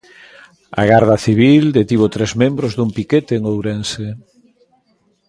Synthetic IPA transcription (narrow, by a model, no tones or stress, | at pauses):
a̰ɣaɾðɐθiβ̞ild̪et̪iβ̞ot̪ɾezmẽmbɾozðumpiket̪eːŋowɾense